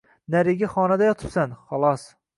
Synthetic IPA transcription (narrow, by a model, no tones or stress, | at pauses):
næɾɪɡʲaχɒnad̪ajɒt̪ʰɨ̥psanχɒlˠɒs